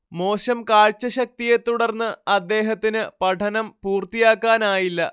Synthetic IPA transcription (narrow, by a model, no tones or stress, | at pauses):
mo̞ːɕɐmkaːɻt͡ɕːɐɕɐk̚t̪ijet̪ːuɽɐrnːɨɐd̪ːe̞ːɦɐt̪ːinɨpɐʈʰɐnɐmpuːrt̪ijaːkːaːnaːjilːɐ